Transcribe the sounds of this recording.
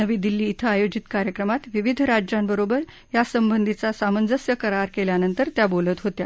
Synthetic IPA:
əʋiːd̪ilːiːt̪ʰəajod͡ʑit̪kaɾjəkɾəmat̪ʋiʋid̪ʱɾad͡ʑɾambəɾobəɾ | jasəmbənd̪ʱit͡sasamənd͡zəsjəkəɾaɾkeljanənt̪əɾt̪jabolət̪ɦot̪ja

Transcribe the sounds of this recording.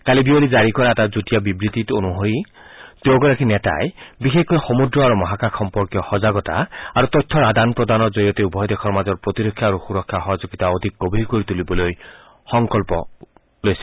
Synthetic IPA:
kalibiolid͡ʒaɾikɔɾatad͡zutijabibɾit̪itonuɦoɾi | t̪ewɡɔɾakineta̰ebixekkɔjxomud̪ɾɔaɾumɔɦakaxɔmpɔɾkjɔxɔzaɡɔt̪a̰aɾut̪ɔt̪ʰːɔɾad̪anpɾɔd̪anɔd͡ʒojɔt̪eubʱɔjd̪ekʰɔɾmazɔɾpɾot̪iɾɔkʰːjaːɾuxuɾɔkʰːaxɔɦɔd͡ʒoɡit̪aod̪ʱik̚ɡobʱiɾkoɾit̪ulibɔloj | xɔŋkɔlpɔ | lojsi̥

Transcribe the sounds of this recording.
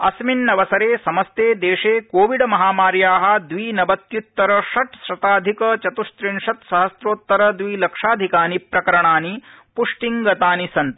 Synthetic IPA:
ɐsminːɐʋɐsɐɾeːsɐmɐst̪eːd̪eːʂeːkoːʋiɖmɐɦaːmaːɾjaːɦɐ̆d̪ʋiːnɐbɐt̪jut̪ːɐɾɐʂɐʈsɾɐt̪aːd̪ʱikɐt͡ʃɐt̪uʃt̪ɾinʂɐt̪sɐɦɐsɾoːt̪ːɐɾɐd̪ʋiːlɐkʂaːd̪ʱikaːnipɾɐkɐɾɐɳaːni | puʂʈiŋɡɐt̪aːnisɐnt̪

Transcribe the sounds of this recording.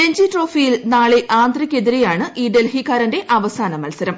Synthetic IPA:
eɲd͡ʑiʈro̞ːfijilnaːɭeʔaːnd̪rikʲːe̞ðiɾejaːɳɨʔiːɖelɦikːaːɾɐnde̞ʔɐʋɐsaːnɐmɐlsɐɾɐm

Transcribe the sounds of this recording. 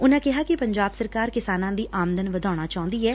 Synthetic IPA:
ʊnãːkɪɦaːkɪpəɲd͡ʒaːbsəɾkaːɾkɪsaːnãːd̪iːʔaːməd̪ənʋəd̪aːɽ̃aːt͡ʃaːɦʊ̃nd̪iːɛː

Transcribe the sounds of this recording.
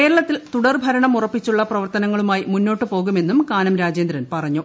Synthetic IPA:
ke̞ːɾɐɭɐt̪ːilt̪uɽɐrbʱɐɾɐɳɐmurɐpːit͡ɕːuɭːɐprɐʋɐrt̪ɐnɐŋːɐɭumaːjimunːo̞ːʈːɨpo̞ːɣume̞nːumkaːnɐmɾaːd͡ʑeːnd̪ɾɐnpɐrɐɲːu

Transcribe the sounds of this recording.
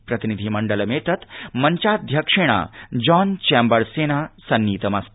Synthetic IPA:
pɾɐt̪inid̪ʱimɐɳɖəlɐmeːt̪ɐt̪mɐɲt͡ʃaːd̪ʱjɐkʂiɳ̃a̰d͡ʒɔːnt͡ʃɛːmbəɾseːnaːsɐnːiːt̪ɐmɐst̪

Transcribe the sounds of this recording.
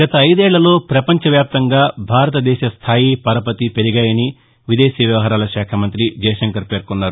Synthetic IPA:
ɡɐt̪ɐːjd̪ɛːɭːɐlo̞ːpɾɐpɐɲt͡ʃɐʋjaːp̚t̪ɐŋɡaːbʱaːɾɐt̪ɐd̪ɛːʃɐst̪ʰaːjipɐɾɐpɐt̪ipe̞ɾiɡaːjɐni | ʋid̪eːʃiʋjɐʋɐɦɐɾaːlɐʃaːkʰɐmɐnt̪ɾid͡ʒɐjʃɐŋkɐɾpe̞ːɾkunːaːɾu

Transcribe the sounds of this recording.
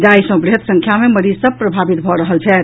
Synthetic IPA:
d͡ʒaisə̃bɾiɦət̪sə̃ŋkʰjameməɾizsəb̚pɾəbʱabit̪bʱɔɾəɦəlt͡ʃʰɛ

